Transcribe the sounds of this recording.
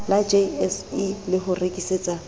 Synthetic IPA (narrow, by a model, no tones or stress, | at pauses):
lad͡ʒeɛsilɪɦʊrekʼiseːt͡sʼa